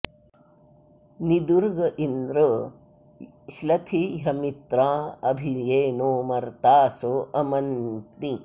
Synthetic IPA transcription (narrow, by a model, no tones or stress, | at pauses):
nid̪uɾɡɐʔinɾu | ʃlɐt̪ʰiɦɐmit̪ɾaːɐbʱijeːnoːmɐɾt̪aːsoʔɐmɐnt̪ni